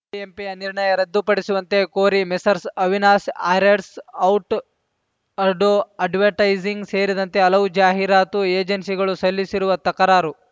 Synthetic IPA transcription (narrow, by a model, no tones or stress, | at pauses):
iempijɐniɾɳɐjɐɾɐd̪ːupɐɽisuʋɐnt̪e̞koːɾimesɐɾsɐʋinaːsaːɾeɾsɐwʈ | ɐɾɖoɐɖʋeɾʈɐjd͡ʒiŋɡse̞ːɾid̪ɐnt̪e̞ɐlɐʋd͡ʒaːɦiɾaːt̪ueːd͡ʒɐnsiɡɐɭusɐlːisiɾuʋɐt̪ɐkɐɾaːɾu